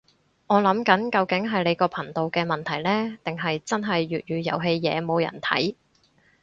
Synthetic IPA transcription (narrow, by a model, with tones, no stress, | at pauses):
ŋɔː˨˧lɐ˨˥mkɐ˨˥nkɐ˧wkɪ˨˥ŋɦɐ˨jle˨˧jkɔː˧pʰɐ˨˩nt̪o˨wkɛː˧mɐ˨nt̪ʰɐ˨˩jlɛː˥t̪ɪ˨ŋɦɐ˨jt͡sɐ˥nɦɐ˨jɥyː˨t̚ɥyː˨˧jɐ̰˨˩wɦe˧jjɛ̰ː˨˧mo˨˧wjɐ̰˨˩nt̪ʰɐ̰˨˥j